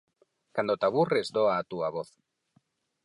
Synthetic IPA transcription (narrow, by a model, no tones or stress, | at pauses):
kand̪ot̪aβurezd̪oaːt̪uaβoθ